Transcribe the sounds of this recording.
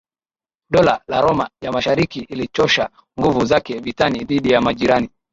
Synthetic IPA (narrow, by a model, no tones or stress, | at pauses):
ɗɔlalaɾɔmajamaʃaɾikiilit͡ʃɔʃa | ŋɡuvuzakɛvitaniðiɗijamaʄiɾani